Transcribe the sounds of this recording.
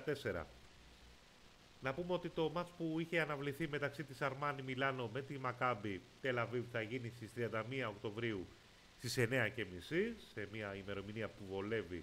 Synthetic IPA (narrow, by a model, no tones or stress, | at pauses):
t̪e̞se̞ɾɐ̰ | nɐpumeo̞t̪it̪o̞mɐt͡spuiçe̞ɐnɐvliθime̞t̪ɐksit̪isɐɾmɐnimilɐno̞me̞t̪imɐkɐbit̪e̞lɐviθɐʝinist̪ist̪ɾiɐnd̪ɐmiɐo̞kt̪o̞vɾiu | st̪ise̞ne̞ɐce̞misise̞miɐime̞ɾo̞miniɐpuvo̞le̞vi